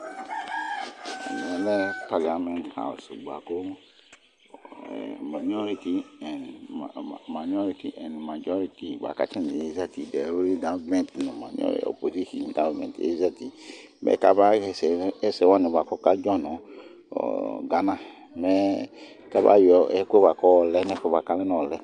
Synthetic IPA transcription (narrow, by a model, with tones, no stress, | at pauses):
n˨ɛ˨lɛ˦pa˨li˨a˨mɛ̃˦ntha̰˨ṵ˨sɡ͡ba̰˨ko˦˨ | ma˨ɲ˦ɔ˦ɾi˦ti˨ɛ˨n˨ | ma˨ɲ˦ɔ˦ɾi˨ti˨ʔɛ̃˨n˨mã˨d͡ʒɔ˦ɾi˦ti˨ba̰˨ka̰˦t͡ʃɛ̃˦ni˨e˦za˦ti˨dɛ˨ɾo˦ɾi˦dã˨˦mɛ̃˦ntnɔ̃˨ma˨n̰˦ɔ̰˦˨o̰˨po˨zi˦ʃĩ˨ĩ˨ŋɡa˦vmɛ̰̃˨tḛ˦za˦ti˨ | mʔɛ̰˦ka˦ba˦ɛ˨sɛ˨˦ɛ˦sɛ˨˦wa˦nɛ̃˨ba˨kɔ˦ka˦d͡ʒɔ̃˦nɔ̃˨ | ɔ̰˨ɡa˨nã˦ | mɛ˦ | ka˦ba̰˦jɔ˨˦ɛ˦ke˦ba˨kɔ˦ɔ˨lɛ˦nɛ˦fɛ˦ba˨ka˦lɛ˦nɔ̃˦˨ɔ˨lɛ˦